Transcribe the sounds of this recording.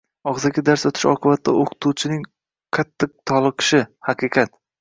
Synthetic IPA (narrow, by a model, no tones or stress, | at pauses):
ɒʁzaɡʲad̪aɾsot̪ʰɪ̥ʃɒ̰qʰɨbat̪ːa̰ʔoqʰɨ̥t̪ʰuwt͡ʃʰɪnɪŋ | qʰɑt̪ʰːɪq̚t̪ʰɒlˠɨqʰɨ̥ʃɪhɑqʰɨqʰɑt̪